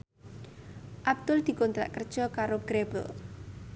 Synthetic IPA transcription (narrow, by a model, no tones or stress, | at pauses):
ʔab̚d̪̥ʊld̪̥i̤kɔnt̪ɾa̰ʔkərd̥ʒ̥ɔ̤kaɾoɡ̥ɾebə̰l